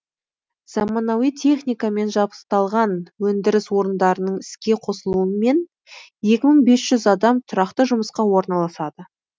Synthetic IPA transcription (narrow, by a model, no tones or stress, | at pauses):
z̥ɑmɑnɑwijt̪ʲʰe̞χnʲijkame̞nʒɑbə̥st̪ɑlˠʁɑnwɵnd̪ɪɾɪswo̞ɾənd̪ɑɾənəɴɪskʲe̞qʰo̞səlˠuəme̞n | je̞kʲɪməɴbe̞sʒ̥ʏzɑd̪ɑmt̪ʰʊɾɑqt̪əʒʊməsqɑwo̞ɾnɑlˠɑsɑd̪ə